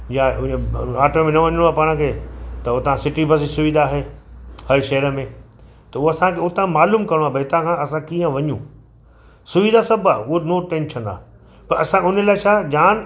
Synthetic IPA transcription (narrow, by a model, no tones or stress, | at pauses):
jaʊ̃ɦĩə̃aːʈomẽnɐʋɐɲəɽ̃oaːpaːɽ̃ə̆kʰeːt̪ɐot̪ãsɪʈibɐs̬isʊʋid̪ʱaːɦeːhɐʃɐɦəɾə̆mẽ | t̪ɐʊɦoɐsãkʰeʊt̪ãmaːluːmkɐɽ̃oaːbʱɐɪt̪ãkʰãɐsãkiːə̃ʋɐɲũ | sʊʋid̪ʱasɐbʱaːʊɦonoːʈẽːnʃʰə̃na̰ː | pɐɾɐsãʊnəlaːɪt͡ɕʰaːd͡ʑaːn